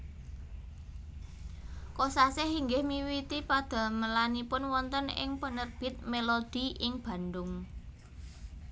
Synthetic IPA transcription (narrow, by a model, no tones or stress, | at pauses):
kosasɪhiŋɡɪhmiwit̪ipad̪̥a̤məlanipʊnwɔnt̪ənɪ̰ŋpənərb̥ɪ̤t̪̚melod̪̥i̤ʔɪŋb̥ä̤nd̪ʊŋ